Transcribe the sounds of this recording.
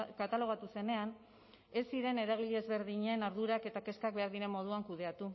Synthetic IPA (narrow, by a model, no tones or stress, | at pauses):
kat̪alo̞ɣ̞at̪use̞ne̞an | e̞siɾe̞ne̞ɾaɣ̞iʎeezβe̞ɾðiɲenaɾðuɾake̞t̪ake̞skak̚be̞aɾðiɾe̞mːo̞ð̞uaŋkuðe̞at̪u